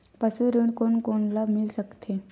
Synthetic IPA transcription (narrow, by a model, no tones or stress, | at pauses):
pəsuɾuɳkoɳkoɳlamilɕəkt̪ʰe